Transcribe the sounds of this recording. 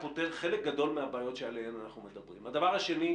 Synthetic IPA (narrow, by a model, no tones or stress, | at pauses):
poteχe̞lek̚ɡad̪o̞lmeabaːjo̞tʃealehemanaχnume̞d̪abʁḭmad̪avaʁhaʃe̞ni